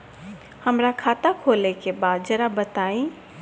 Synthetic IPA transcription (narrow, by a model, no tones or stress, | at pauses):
həmɾakʰat̪akʰolekebad̪̚d͡ʒəɾabət̪aĩ